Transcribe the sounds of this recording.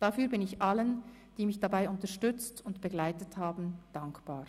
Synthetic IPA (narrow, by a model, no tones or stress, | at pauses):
d̥afyːɐbɪnɪçʔalən | d̥iːmɪçd̥abaɪʔʊntɐʃtʏt͡stʊntb̥ɛɡlaɪtəthaːbn̩d̥aŋkb̥aːʁ